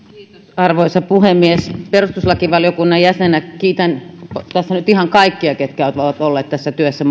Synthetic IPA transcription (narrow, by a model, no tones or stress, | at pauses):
ɑrʋoisɑpuhemːiesperust̪uslɑkiʋɑljokunːɑjjæsenækiːt̪ænpt̪æsːænyt̪ihɑŋkɑikːiɑket̪kæˑyt̪oʋoˑʋɑt̪olːeːt̪t̪æsːæt̪yøsːæ